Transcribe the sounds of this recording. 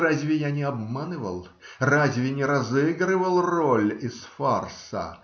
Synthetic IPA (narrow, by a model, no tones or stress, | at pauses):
razʲvʲɪjanʲɪɐbmanɨvə̰lˠ | razʲvʲɪnʲɪɾɐzɨɡɾɨvəlˠrolʲɪsfarsə̰